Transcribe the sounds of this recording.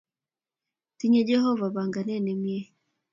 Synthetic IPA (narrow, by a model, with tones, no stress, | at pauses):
ti˦ɲɛ˦d͡ʒɛ˦hɔ˦va˨βa˨ŋɡa˨nɛ˦˨nɛ˨mjɛ˦